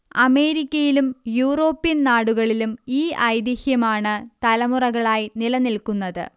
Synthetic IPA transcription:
ɐme̞ːɾikʲːɐjilumjuːro̞ːpːijɐnnaːɽuɣɐɭilumiːʔɐjd̪jɐhjɐmaːɳɨt̪ɐlɐmurɐɣɐɭaːjinilɐnilkunːɐðɨ̰

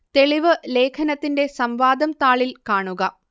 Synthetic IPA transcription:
t̪e̞ɭiʋɨle̞ːkʰɐnɐt̪ːinde̞sɐmʋaːd̪ɐmt̪aːɭilkaːɳuɣɐ

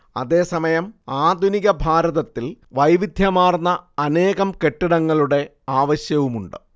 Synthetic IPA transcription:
ɐ̰ðe̞ːsɐmɐjɐmaːd̪ʱuniɣɐbʱaːɾɐðɐt̪ːilʋɐjʋid̪ʱjɐmaːrnːɐːne̞ːɣɐmke̞ʈːiɽɐŋːɐɭuɽe̞ | aːʋɐɕjɐʋumuɳɖɨ

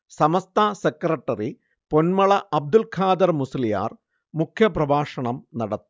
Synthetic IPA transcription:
sɐmɐst̪ʰaːsekɾrɐʈːɐri | po̞nmɐɭɐʔɐb̚d̪ulkʰaːd̪ɐrmusɐlija̰ːr | mukʰjɐprɐbaːʂɐɳɐmnɐɽɐt̪ːu

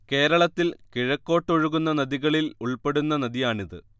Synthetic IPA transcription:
ke̞ːɾɐɭɐt̪ːilkiɻɐkːo̞ːʈːoɻuɣunːɐnɐðiɣɐɭiluɭpe̞ɽunːɐnɐðijaːɳiðɨ̰

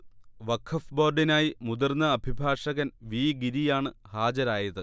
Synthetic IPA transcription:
ʋɐkʰɐfbo̞ːrɖinaːjimud̪ɐrnːɐːbʱibʱaːʂɐɣɐnʋiːɡiɾijaːɳɨhaːd͡ʑɐɾaːjɐðɨ

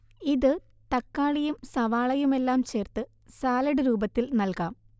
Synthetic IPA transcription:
iðɨ | t̪ɐkːaːɭijumsɐʋaːɭɐjume̞lːaːmt͡ɕe̞ːrt̪ɨ | saːlɐɽɨɾuːbɐt̪ːilnɐlkaːm

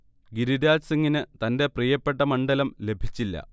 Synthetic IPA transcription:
ɡiɾiɾaːsɐŋːinɨt̪ɐnde̞prijɐpːe̞ʈːɐmɐɳɖɐlɐmle̞bʱit͡ɕːilːɐ̰

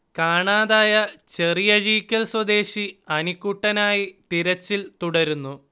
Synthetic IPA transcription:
kaːɳaːðaːjɐt͡ɕe̞rijɐɻiːkʲːɐlswɐd̪e̞ːɕiɐnikːuʈːɐnaːjit̪iɾɐt͡ɕːilt̪uɽɐɾunːu

